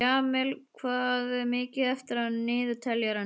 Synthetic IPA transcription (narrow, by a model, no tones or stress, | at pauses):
aːmɪlkʰvaːðɪmɪːcɪðɛft̪ɪɾaðnɪːðʏt̪ʰɛljaɾa